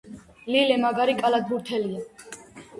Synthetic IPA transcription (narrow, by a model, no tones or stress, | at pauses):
lilɛmaɡaɾikʼalad̪buɾt̪ʰɛlia